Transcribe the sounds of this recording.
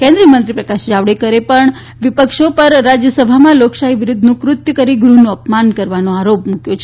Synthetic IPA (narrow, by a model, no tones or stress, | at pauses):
kẽnd̪ɾiəmənt̪ɾipɾəkaʃd͡ʒaʋɽekəɾepəɳ | ʋɪpəkʃopəɾːad͡ʒjəsəbʱamãloksaɦiʋɪɾʊd̪ʱnũkɾʊt̪jəkəɾiɡɾunũəpmankəɾʋanõaɾopmukjot͡ʃʰe